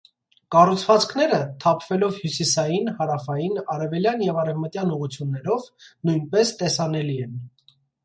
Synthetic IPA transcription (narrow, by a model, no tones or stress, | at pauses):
kɑrut͡sʰvɑt͡skʰn̪ɛɾət̪ʰɑpʰv̥ɛlɔvhjusisɑjinhɑɾɑfɑjinɑɾɛvɛljɑnjɛvɑɾɛvmət̪jɑnuʁut͡sʰjunːɛɾɔvnujnpɛst̪ɛsɑnɛliɛn